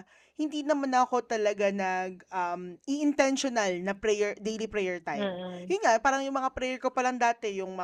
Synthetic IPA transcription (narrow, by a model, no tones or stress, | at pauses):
hɪnd̪inɐmanɐko̞t̪ɐlɐɡanɐɡ̚ʔɐmʔiʔɪnt̪ɛnʃonalnɐpɾɛjɛɹd̪ejlipɾɛjɛɹt̪ajmjʊnŋaʔpaːɾɐŋjʊŋmɐŋapɾɛjɛɹkopɐlɐŋd̪aːt̪ɛjʊŋmɐ